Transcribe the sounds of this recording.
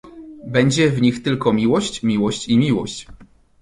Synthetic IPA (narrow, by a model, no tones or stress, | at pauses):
bɛɲd͡ʑɛvɲixt̪ɘlkɔmʲiwɔɕt͡ɕmʲiwɔɕt͡ɕimʲiwɔ̰ɕt͡ɕ